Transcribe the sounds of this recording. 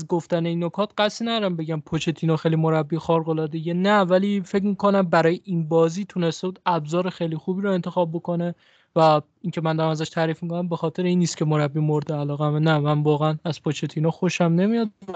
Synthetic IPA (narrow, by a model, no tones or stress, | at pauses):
zɡoft̪æne̞inːokʰɒːt̪ɢ̥æsnæd̪ɒɾæmbeɟæmpʰot͡ʃʰe̞t̪ʰiːnɒːxejlimo̞ɾæbːixɒɾɣolɒːd̪ejenævæliːfecmikʰo̞næmbæɾɒːjeʔinbɒːziːt̪ʰune̞st̪euːd̪æbzɒːɾe̞xejliːxuːbiːɾoe̞nt̪ʰe̞xɒːb̚bo̞kʰo̞ne | væ | iŋcʰe̞mænd̪ɒɾæmæzæʃt̪ʰæːɾiːfmikonæmbe̞xɒːt̪ʰe̞ɾeiːnːiːst̪̚cʰe̞mo̞ɾæbːiːmoɾd̪eælɒːɣæmnæmænvɒːɣeænæzpʰot͡ʃʰet̪ʰinɒːxo̞ʃæmne̞mijɒd̪̚